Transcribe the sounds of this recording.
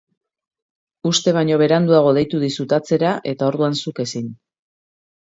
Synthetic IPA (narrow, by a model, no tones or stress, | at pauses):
ust̪e̞β̞aɲo̞β̞e̞ɾand̪uaɣ̞o̞ðe̞jt̪uð̞isut̪at͡se̞ɾaʔe̞t̪ao̞ɾðuansuke̞sin